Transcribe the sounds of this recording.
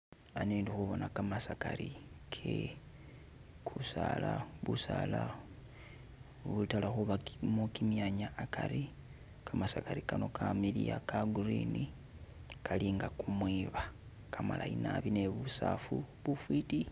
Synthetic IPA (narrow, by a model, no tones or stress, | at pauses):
aneːndixuβonakamasakaɾikʰe | kʰusalaβusala | βutalaxuβamukimjaɲaːkʰaɾi | kʰamasakaɾikano̞kʰamilḭja̰kaɡurini | kʰaliŋɡakumwiβa | kʰamala̰inaβineβusafuβufwiti